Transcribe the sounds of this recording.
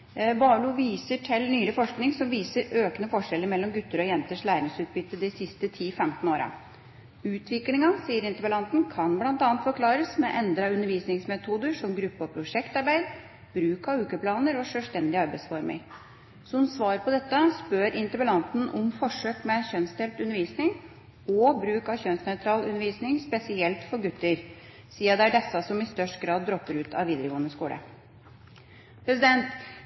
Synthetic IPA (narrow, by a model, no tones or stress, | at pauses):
bɑːluʋiːsəʈʰɛlnyːləfɔʂknɪŋsɔmʋiːsəɾøːkənəfɔʂɛlːəɾmɛlːɔmɡʉt̪ːəɾɔjɛnt̪əʂlæːɾɪŋsʉːt̪̚bʏt̪ːəd̪ɪsɪst̪ət̪ʰiːfɛmt̪noːɾɑ̰ | ʉːt̪ʰʋɪklɪŋɑsiːəɾɪnt̪əbəlɑnt̪n̩kʰɑnblɑnt̪ɑːnt̪fɔɾkʰlɑːɾəsmɛʔɛnd̪ɾɑʉnːəɾʋiːsnɪŋsmɛt̪ʰuːd̪əʂɔmɡɾʉpːəɔpʰɾʊʂɛkt̪ɑɾbæɪd̪ | b̥ɾʉːkɑʉːkəpʰlɑːnəɾɔʂœːst̪ɛnd̪ɪɑɾbæɪsfɔɾmɪ̰ŋ | sɔhʊnsʋɑːɾpʰɔd̪ɛt̪ːəspøɾʔɪnt̪əbəlɑnt̪n̩ʔɔmfɔʂøːkmɛçœnst̪ʰɛlt̪ʉnəɾʋiːsnɪŋ | ɔbɾʉːkɑçœnsnœʏt̪ʰɾɑːlʉnəɾʋiːsnɪŋspɛsɪɛlt̪fɔɾɡʉt̪ːəɾ | siːɑd̪ɛæɖɛsːɑsɔmɪst̪œʂʈɡɾɑːd̪̚ːɾɔpːəɾʉːt̪ʰɑ̰ʋʋiːd̪əɾəɡoːənəskuːlə̰ | pʰɾɛsɪd̪ɛnt̪